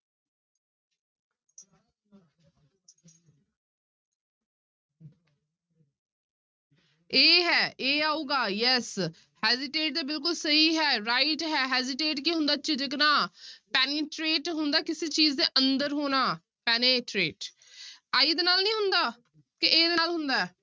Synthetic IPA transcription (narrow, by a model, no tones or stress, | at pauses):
eːɦɛːʔeːaːuːɡaːjɛs | hɛːzɪʈeːʈ̚d̪eːbɪlk̬ʊlsəɦiːɦɛːɾaːɪʈɦɛːɦɛːzɪʈeːʈkiːɦʊ̃nd̪aːt͡ʃɪd͡ʒɪknaːpɛːneːʈɾeːʈɦʊnd̪aːkɪseːt͡ʃiːzd̪eːʔənd̪əɾɦoːnaː | pɛːneːʈɾeːʈ | aːiːd̪eːnaːlnĩːɦʊnd̪aː | kɪʔeːd̪eːaːlɦʊnd̪aːɛː